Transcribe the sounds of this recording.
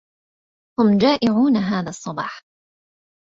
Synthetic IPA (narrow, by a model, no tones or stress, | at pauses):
hʊmd͡ʒaːʔɪʕuːnaɦaːðaːsˤːɑbɑ̰ːħ